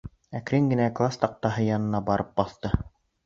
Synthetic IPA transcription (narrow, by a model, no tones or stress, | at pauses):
ækɾiŋɡɘ̆næklˠast̪ɑq̚t̪ɑɦɤjɑnɤ̆nɑbɑɾʔɤp̚bɑθt̪ɤ